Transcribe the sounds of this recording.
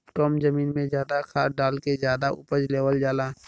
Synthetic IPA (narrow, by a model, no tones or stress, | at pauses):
ʈɔːmzəmiːnmẽzjaːd̪akʰaːɖaːlkezjaːd̪aʊ̰pəd͡ʒleːwəld͡ʒaːlaː